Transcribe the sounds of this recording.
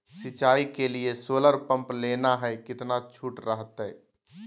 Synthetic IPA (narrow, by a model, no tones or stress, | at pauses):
sɪt͡ʃaːikeliesoːləɾpə̃mpleːnaɦɛkɪt̪nat͡ʃʰuːʈɾəɦət̪ɦɛː